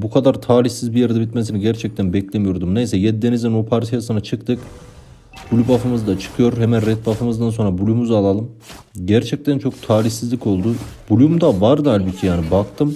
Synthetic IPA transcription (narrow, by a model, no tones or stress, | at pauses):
bukʰad̪aɾt̪ʰaːlʲiçsizbijeɾd̪ɛbit̪mesiniɟæɾt͡ʃʰɛc̚t̪ʰænbɛclʲemijo̞ɾd̪umne̞jsɛjɛd̪d̪enizinopʰaɾt̪ʰijasɯnat͡ʃʰɯk̚t̪ʰɯk | bulʲubafɯmɯzɯd̪at͡ʃʰɯ̥kʰɯjo̞ɾhɛmænɾɛt̪̚bafɯmɯzd̪anso̞nɾabulʲumuzalˠalˠɯm | ɟæɾt͡ʃʰɛc̚t̪ʰænt͡ʃʰo̞k̚t̪ʰaːlʲiçsizlʲico̞lˠd̪ubulʲumd̪avaɾd̪ɯalʲbit̪ʰːɛjaːnibakt̪ʰɯm